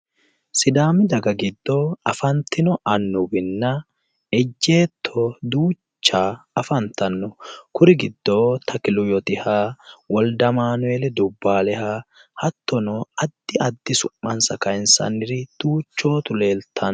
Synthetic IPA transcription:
sɪd̪aːmɪd̪ɐɡɐɡɪd̪ːoɐfɐnt̪ːɪnɔʔɐnːʊbɪnːɐ | ɛd͡ʒːe̞ːt̪ʰːɔd̪uː | t͡ʃːaːɐfɐnt̪ɐnːɔkʊɾɪɡɪd̪ːoːt̪ʰɐkɪlʊjɔt̪ɪhaːwɔld̪ɐmaːnʊɛlɛd̪ʊbːaːlɛhaːhɐt̪ʰːɔnɔɐd̪ːɪɐd̪ːɪsʊmːɐnsɐkɐjnsɐ̰nːɪɾɪd̪̥uːt͡ʃːo̞ːt̪ʊle̞ːlt̪ʰːɐn

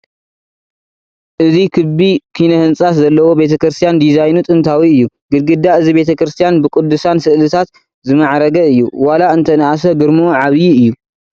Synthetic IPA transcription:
ʔɨzikʰɨbikʰinɐhɨnt͡sʼaszɐlːɐwo̞be̞t̪ʰɐkɾɨst̪ʰijand̪izajnut̪ʼɨnt̪ʰawiɨjːu | ɡ̥ɨd̪̚ɡɨd̪ːaʔɨzibe̞t̪ʰɐkɾɨst̪ʰijanbɨkʼud̪ːusansɨʔlɨt̪ʰat̪ | zɨmɐʕɾɐɡɐɨjːuwalaɨnt̪ʰɐnʔas̬ɐɡɨɾmoʕaβjiɨjːu

